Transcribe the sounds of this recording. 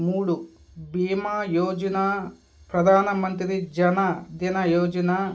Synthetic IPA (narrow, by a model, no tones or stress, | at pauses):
muːɽu | biːmaːjoːd͡ʒɐnaː | pɾɐd̪ʱaːnɐmɐnt̪ɾid͡ʒɐnad̪inɐjoːd͡ʒɐnaː